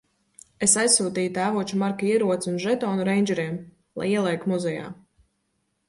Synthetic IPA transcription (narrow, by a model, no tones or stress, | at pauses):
esajsːuːt̪iːjut̪æːvuɔt͡ʃumaɾkaiɛɾuɔt̪sunʒɛt̪ɔːnuɾɛjnʲd͡ʒɛɾiɛm | lˠa̰jiɛlˠɛjkmuzɛja̰ː